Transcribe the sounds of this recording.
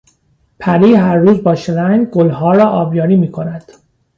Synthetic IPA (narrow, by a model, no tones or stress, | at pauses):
pʰæɾiːɦæɾːuːzbɒːʃelæjɡolɦɒːɾɒːʔɒːbjɒːɾiːmiːkʰo̞næd̪̥